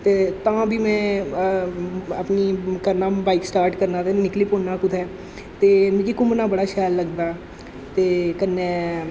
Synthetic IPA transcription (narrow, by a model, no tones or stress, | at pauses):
t̪eːt̪ãbʱiːmɛ̃ː | əpnikəɾnaːbaːɪksʈaːɾʈkəɾnad̪ɛnɪklipoːnːakʊd̪ʱɛː | t̪eːmẽɡikʊmnabəɽaʃɛːlːəɡd̪aː | t̪eːkənːeː